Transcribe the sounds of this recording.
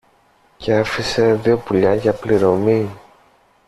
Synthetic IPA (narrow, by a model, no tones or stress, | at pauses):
ceɐfise̞ðio̞puʎɐʝɐpliɾo̞mi